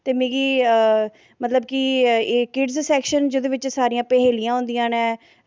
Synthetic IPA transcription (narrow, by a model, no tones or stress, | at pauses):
t̪eːmẽːɡiː | mət̪ləbkiːkɪɖzsɛːkʃənd͡ʒoːd̪eːʋɪt͡ʃsaːɾijãːpɛɦeːlijãːɦʊ̃ːnd̪ijãːnɛː